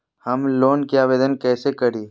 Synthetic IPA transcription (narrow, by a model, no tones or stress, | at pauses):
hɐmloːnkiaːʋeːd̪ənkɛːsekɐɽiː